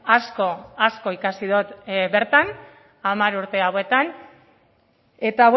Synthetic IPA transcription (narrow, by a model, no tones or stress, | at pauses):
asko̞asko̞ikasiðut̪be̞ɾt̪an | amaɾuɾt̪e̞awe̞t̪an | e̞t̪aw